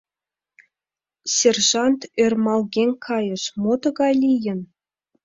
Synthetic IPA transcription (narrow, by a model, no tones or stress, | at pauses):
sʲerʐɑnt̪ermɑlˠɡʲeŋʲkʰɑjɤ̆ʂmot̪ɤ̆ɣɑlʲijɘ̆n